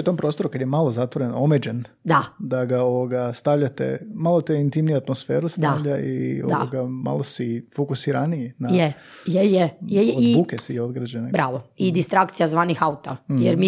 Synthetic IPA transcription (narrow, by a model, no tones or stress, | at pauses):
ut̪o̞mpɾo̞st̪o̞ɾukad̪jemalˠo̞zat̪ʋoɾenoomed͡ʒend̪ad̪aɡaoʋoɡast̪aʋʎat̪ḛmalˠot̪eint̪imnijuat̪mosfe̞ːɾust̪aʋʎaḭod̪a̰oɡama̰lˠosifokusiɾaniinaje | jejejejodbuːkesio̞d̪ɡɾad͡ʒenebɾaːʋoid̪ist̪ɾakt̪sijazʋaːnixaut̪ajeɾmi